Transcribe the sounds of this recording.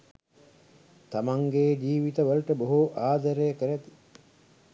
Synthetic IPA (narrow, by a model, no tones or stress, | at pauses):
t̪amaŋɡeːd͡ʒiːʋit̪əʋəlʈəboɦuʔaːd̪əɾejəkəɾæt̪i̥